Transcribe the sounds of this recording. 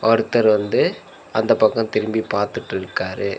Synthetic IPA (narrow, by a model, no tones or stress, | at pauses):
ɔɾɯt̪ːɐɾʋɐnd̪ɯ | ɐnd̪ɐpɐkːɐ̃mt̪ɪɾɯmbipaːɾt̪ɯʈːɪɾɯkːaːɾɯ